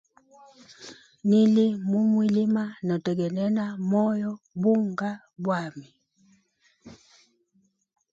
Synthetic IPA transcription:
ni˦li˦mu˦mwi˦li˦ma˦nɔ˨tɛ˨ɡɛ˨nɛ˦na˦mɔ˦jɔ˦ | bu˦ŋɡa˦ | bwa˦˨mi˨

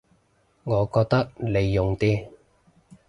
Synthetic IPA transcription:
ŋɔː˨˧kɔː˧k̚t̪ɐ˥k̚le˨˧jːʊ˨ŋt̪iː˥

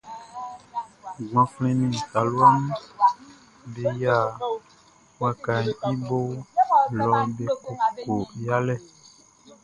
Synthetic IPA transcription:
ɡã˨flɛ̃˦nĩ˨sa˨lwa˦n | be˨ja˦˨ | wa˨ka˨ɲ˨i˦bo˦lɔ˨˦be˨ko˨ko˨ɾja˦lɛ˦˨

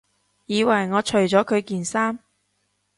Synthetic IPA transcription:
jiː˨˧wɐ˨˩jŋɔː˨˧t͡ʃʰɵ˨˩ɥt͡sɔː˨˥kʰɵ˨˧ɥkiː˨nsaː˥m

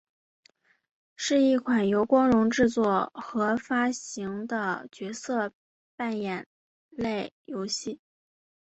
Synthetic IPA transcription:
ʂɻ̩˥˧i˥˩kʰwa˨˩njo˧˥ʊkwɑ˥ŋlʊ˧˥ŋʈ͡ʂɻ̩˥˧t͡swɔ˥˩xɤ˧˥fa˥ɕi˧˥ŋd̪ə˧t͡ɕɥɛ˧˥sɤ˥˧ | pa˥˩njɛ˨˩n | le˥˩ɪjo˧˥ʊɕi˥˩

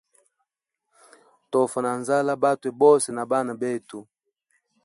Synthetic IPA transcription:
tɔ˨fa˨na˨nza˦la˦ba˦tu˨ɛ˨bɔ˦sɛ˨na˨ba˦na˨bɛ˦tu˨

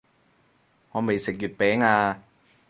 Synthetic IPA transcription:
ŋɔː˨˧me˨jsɪ˨k̚jyː˨t̚pɛː˨˥ŋaː˧

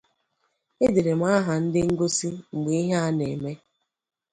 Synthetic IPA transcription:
e˦de˨ɾe˨m̩˦a˦ɦa˨n̩˦dɪ˦ŋ̩˦ɡo˦si˦ŋ͡m̩˨ɡ͡be˨i˦ɦa˦a˦ne˨me˦

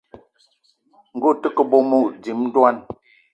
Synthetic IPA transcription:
ŋ̩˨ɡo˦˨tə˦kə˦bo˨˦mu˦˨d͡zi˨mn˦dwa˦n

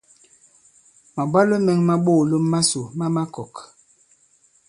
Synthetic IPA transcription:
ma˨bwa˦lo˦mɛ˦ŋma˦ɓoː˦˨lo˦mːa˦so˨ma˦ma˦kɔ˨k

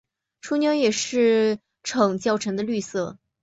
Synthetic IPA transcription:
ʈ͡ʂʰu˥njɑ˧˥jɛ˨˩ʂɻ̩˥˩ | ʈ͡ʂʰɤ˨˩ŋt͡ɕjɑ˥˩ʊʈ͡ʂʰɤ˧˥ŋd̪ə˧ly˥˧sɤ˥˩

